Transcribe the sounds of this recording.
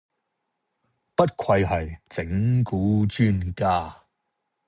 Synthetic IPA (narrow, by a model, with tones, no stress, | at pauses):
pɐ˥t̚kʰɐ˧jɦɐ˨jt͡sɪ˨˥ŋkuː˨˥t͡ʃyː˥˧nkaː˥˩